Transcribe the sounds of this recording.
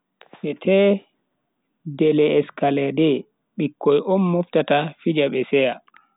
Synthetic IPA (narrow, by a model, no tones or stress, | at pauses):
ɓɛtʰɛː | dɛlɛɛskalɛdɛ | ɓikːɔjʔɔnːɔftatafid͡ʒaɓɛsɛja